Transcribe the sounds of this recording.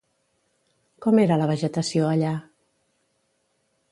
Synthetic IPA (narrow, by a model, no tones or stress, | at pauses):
kɔmeɾələβ̞əʒət̪əsioəʎa